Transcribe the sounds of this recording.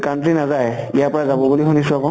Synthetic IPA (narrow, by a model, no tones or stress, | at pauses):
kantɹinazaj | ijapɔɹazabɔbuliɦunisʊakɔ̃